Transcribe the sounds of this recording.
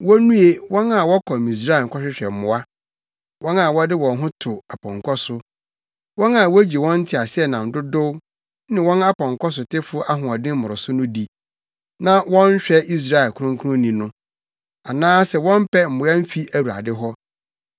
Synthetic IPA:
wɔ˦nũ˦e˦wɔ̃˦na˨wɔ˦kʰɔ˨mĩ˨s̬ɾa˦˨ŋ̩˨kʰɔ˦ɕᶣɪ˦ɕᶣɛ˨m̩˨mʊ̃˨a˦ | wɔ̃˦na˨wɔ˦dɪ˦wɔ̃˨n˦ɦʊ̃˦tʰʊ˨a˨pʰɔ̃˨ŋkʰɔ˦sʊ˦ | wɔ̃˦na˨wæ˦d͡ʑi˨wɔ̃˦n̩˦tʰɪ˨a˨sɪ˦ɛ˦˨nã˨n̩˨dʊ˦dʊ˦w | nɪ̃˨wɔ̃˦na˦pɔ̃˨ŋkʰɔ˦s̬ʊ˨tɪ˦fʊ˦ʔa˦ɦʊ̃˨ɔ˨dɪ̃˦m̩˦mʊ˨ɾʊ˨sʊ˦nʊ̃˦di˨ | nã˦wɔ̃˦n˦ɕᶣɛ˦i˦s̬ɾa˦ɛ˨lkʰʊ˨˦ɾʊ̃˦ŋkʰʊ˦ʊ̃˦nĩ˨nʊ̃˦ | a˨nãː˦sɛ˨wɔ̃˦m˦pʰɛ˦m̩˨mʊ̃˨˦a˦m̩˦fi˦ʔæ˨wu˨ɾa̰˨dɪ˦ɦɔ˦

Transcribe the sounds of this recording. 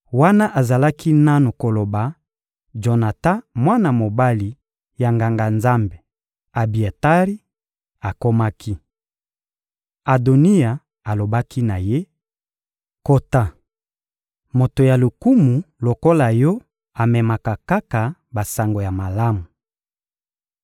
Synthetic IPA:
wa˦na˦ʔa˨za˨la˦ki˦na˦nu˨ko˨lo˨ba˨ | d͡ʒo˨na˨ta˦mwa˦na˨mo˨ba˦li˨ | ja˨ŋɡa˨ŋɡa˨nza˦mbe˨ | a˨bi˨e˨ta˦ʁi˦ | a˨ko˦ma˦kʰi˦ | a˨do˨ni˦ja˨ | a˨lo˨ba˦ki˦na˨je˦ | ko˦ta˦ | mo˨to˨ja˨lu˨ku˦mu˨lo˨ko˦la˨jɔ˦ | a˨mɛ˨ma˨ka˨ka˦ka˨ba˨sa˨ŋɡo˨ja˨ma˨la˦mu˨

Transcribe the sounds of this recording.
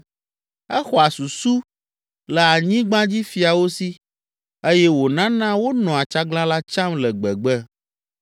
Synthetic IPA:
ɛ˦xɔ˨a˨su˨su˦ | lɛ˨a˨ɲĩ˦ɡ͡bã˦d͡ʑi˦fi˨a˨wo˦si˦ | e˦jɛ˦wo˨nã˦nã˦wo˦nɔ̃˨a˨t͡ʃa˦ɡlã˦la˦t͡ʃã˦mlɛ˨ɡ͡bɛ̰˨ɡ͡bɛ˦

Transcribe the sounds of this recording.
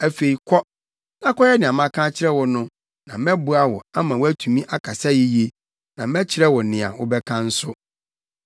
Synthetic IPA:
æ˨fe˨i˨kʰɔ˦ | nã˦kɔ˦jɛ˦nɪ̃˨a˨mã˦kʰã˦t͡ɕʰɪ˦ɾɛ˦wʊ˨nʊ̃˦ | nã˨mɛ˦bʊ˨˦a˦wɔ̰˨a˦mã˨wæ˦tʰu˨mĩ˦ʔa˦kʰa˨sa˦ji˦je˦ | nã˨mɛ˦t͡ɕʰɪ˨ɾɛ˦wʊ˨nɪ̃˨a̰˨wʊ̰˦bɛ˦kʰã˦n̩˦sʊ˦

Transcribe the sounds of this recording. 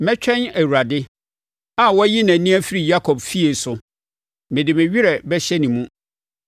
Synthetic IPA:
mɛ̃˦t͡ɕᶣʰɛ̃˦næ˨wu˨ɾa˨dɪ˦ | a˨wɔ˦ji˦nã˨nĩ˦æ˦fi˦ɾi˨ja˦kʰɔ˨bfi˦e˨sʊ˨ | mɪ̃˨dɪ˨mɪ̃˨ɥᶣi˦ɾɛ˨bɛ˦ɕɛ˦nĩ˨mũ˦

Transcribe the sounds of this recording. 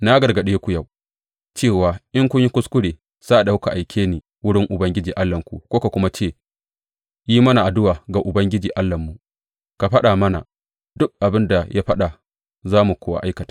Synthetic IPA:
na˦ɡɐ˨rɡɐ˨ɗeː˦kʷʊ˦ja˦˨w | t͡ʃeː˦˨waː˨ʔɪ˦ŋkʷʊ˦ɲji˦kʷʊ˦skʷʊ˦ɽeː˨ | sa˦˨da˨a˦ka˨ʔa˨jkʲʰeː˦niː˨ | wʊ˦ɽɪ˦ŋʔʊ˨bɐ˦ŋɡʲɪ˦d͡ʒiː˨ʔa˦lːɐ˨ŋkʷṵ˨kʷoː˦ka˨kʷʊ˦ma˦t͡ʃeː˦˨ | jiː˦mɐ˦na˨ʔa˨dʊ˦waː˨ɡa˨ʔʊ˨bɐ˦ŋɡʲɪ˦d͡ʒiː˨ʔa˦lːɐ˨mːu˨ʔ | ka˨ɸɐ˦ɗaː˨mɐ˦na̰˨ | dʊ˦k̚ʔa˨bɪ˦nda˨jʔa˦ɸɐ˦ɗa˨ | zaː˦mu˨kʷoː˦wa̰˦ʔa˦jkɐ˨tḁː˦

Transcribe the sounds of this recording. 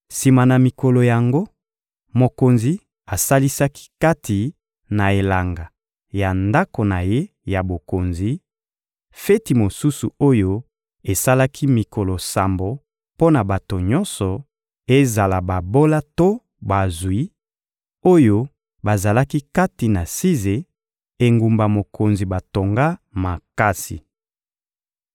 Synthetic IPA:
si˨ma˨na˨mi˨ko˨lo˨ja˨ŋɡo˦ | mo˨ko˨nzi˨ | a˨sa˦li˦sa˦ki̥˦ka˦tʰi˨ | na˨e˨la˨ŋɡa˨ | ja˨nda˦ko˨na˨je˦ | ja˨bo˨ko˨nzi˨ | fe˦ti˨mo˨su˦su˨o˦jo˦ | e˨sa˦la˦kʰi˦mi˨ko˨lo˨sa˨mbo˨ | po˦na˨ba˨to˨ɲɔ̃˦nsɔ˨ | e˦za˨la˨ba˨bo˦la˦to˦ | ba˨zwi˦ | o˦jo˦ | ba˨za˨la˦ki˦ka˦ti˨na˨si˦ze˨ | e˨ŋɡu˨mba˨mo˨ko˨nzi˨ba˨to˨ŋɡa˦ma˨ka˦sḭ˨

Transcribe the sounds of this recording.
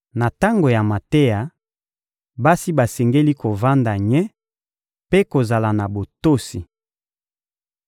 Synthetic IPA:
na˨ta˦ŋɡo˨ja˨ma˨te˦ja˨ | ba˦si˦ba˨sɛ˨ŋɡe˦li˦ko˨va˦nda˨ɲɛ˦ | pe˦ko˨za˨la˨na˨bo˨to˦si˨

